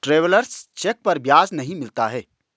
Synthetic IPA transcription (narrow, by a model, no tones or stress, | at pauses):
ʈɾeːʋləɾst͡ʃek̚pɐɾbjaːznɐɦĩmɪlt̪aɦɛː